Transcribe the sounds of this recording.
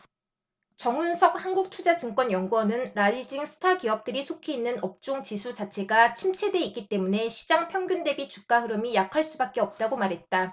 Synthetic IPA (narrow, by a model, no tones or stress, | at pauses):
t͡ɕʌŋunsʰʌk̚hanɡuk̚tʰud͡ʑad͡ʑɯŋk͈wʌnjʌŋɡuʌnɯnɾaʎːid͡ʑiŋsʰɯ̥tʰakiʌp̚t͈ɯɾisʰokʰeinːɯnʌp̚t͡ɕ͈oŋt͡ɕisʰut͡ɕat͡ɕʰe̞ɡat͡ɕʰimt͡ɕʰe̞dwe̞ik͈it͈e̞mune̞ɕʰi̥d͡ʑaŋpʰjʌŋɡʲjunde̞bit͡ɕuk͈̚aɦɯɾɯmijakʰaɭs͈ubak̚k͈e̞ʌp̚t͈aɡomaɾɦe̞t̚t͈a